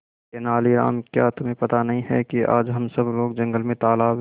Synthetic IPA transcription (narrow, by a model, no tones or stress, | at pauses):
enaːliɾa̰ːmkja̰ːt̪ʊmẽpɐt̪anɐɦĩɦɛ̰kiʔa̰ːd͡ʒɦɐmsɐbloːɡ̚d͡ʒɐ̃ŋɡəlmẽt̪aːlaːb